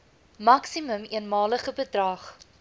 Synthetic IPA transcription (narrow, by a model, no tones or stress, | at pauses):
mɐksiməmiənmɑːləχəbədrɑːχ